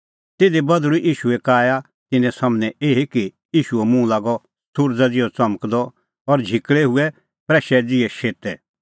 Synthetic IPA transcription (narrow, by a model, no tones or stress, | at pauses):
t̪eːd̪ebɐd̪ɾuʔiːʃuɛkaːja | t̪ɪnɛ̃samnɛ̃eːɦiki | iːʃuɛmũlaːɡɔ | sʊɾd͡zad͡zɪjɔt͡sɐməkd̪ɔ | ɔɾd͡ʒʱɪkɭɛɦʊɛ | pɾɛːʃɛd͡zɪɛʃeːt̪ɛ